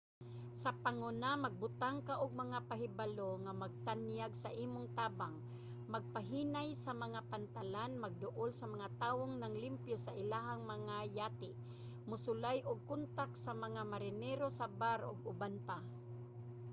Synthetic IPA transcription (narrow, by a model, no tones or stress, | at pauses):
sɐpaŋonamaɡ̚bʊt̪aŋkaʔʊɡ̚mɐŋapaɦɪbaloŋamaɡ̚t̪anjaɡsaʔiːmʊŋt̪aːbaŋ | maɡ̚paɦiːnajsamɐŋapant̪alanmaɡ̚d̪ʊʔolsamaŋat̪aːwoŋnaŋlɪmpjosaʔɪlaːɦaŋmɐŋajaːt̪ɪ | mʊsʊlajʔʊɡ̚kʊnt̪aksamaŋamaɾɪnɛɾosabaɾʔʊ̰ɡʊbanpa